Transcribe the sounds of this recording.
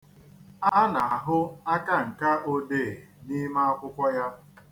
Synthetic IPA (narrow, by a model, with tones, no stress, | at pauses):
a˦na˨a˨ɦʊ˦a˦ka˦ŋ̩˨ka˦ʔo˦de˦˨ni˦ma˦a˦kʷʊ˦kʷɔ˦ja˦